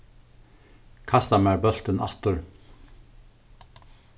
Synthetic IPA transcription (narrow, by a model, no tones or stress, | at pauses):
kʰɑst̪ɑmæɹbœl̥t̪ənɑ̰lt̪ʊɹ